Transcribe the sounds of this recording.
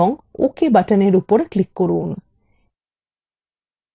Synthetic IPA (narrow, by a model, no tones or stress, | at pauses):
oŋṵkebaʈəneɖupoɾəklikːoɾuːnə